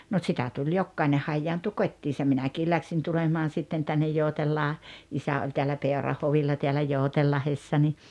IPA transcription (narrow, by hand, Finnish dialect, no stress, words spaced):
no tsitæ tulʲ jokːɑine hɑjːɑːntu kotʲːiːsɑ minækiː læksiːn tulemɑːn sitːen tænːej joˑutelːɑː isæ olʲ teælːæ peˑorɑhːoʋilːɑ teælæ joˑutelːɑhesːɑ ni